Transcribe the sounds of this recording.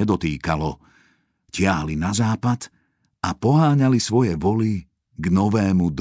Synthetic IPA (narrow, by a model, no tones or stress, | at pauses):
ɛd̪ɔt̪iːkalɔ | cɪaɦlinazaːpat̪ | apɔɦaːɲalisʋɔjɛʋɔli | ɡnɔʋɛːmud̪